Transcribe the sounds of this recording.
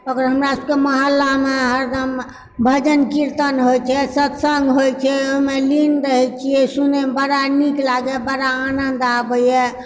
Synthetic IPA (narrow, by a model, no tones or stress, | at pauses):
okəɾɦəmɾasəb̚keməɦəlːameɦəɾd̪ʱəm | bʱəd͡ʒənkiɾt̪ənɦojt͡ʃʰɛsət̪səŋɡɦojt͡ʃʰɛomelinɾəɦɛt͡ʃʰijɛsunebəɾaniklaɡɛbəɽaːnənd̪abəjɛ